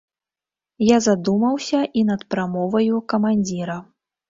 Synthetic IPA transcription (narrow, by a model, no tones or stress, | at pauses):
jazad̪umɐwsʲɐʔinɐt̪pɾamɔvɐjukɐmanʲd͡zʲiɾɐ